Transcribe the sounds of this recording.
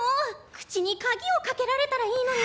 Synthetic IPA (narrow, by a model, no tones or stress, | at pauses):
okɯ̥t͡ɕiɲ̟ikaɡʲio̞kake̞ɾaɾe̞t̪aɾaiːno̞ɲ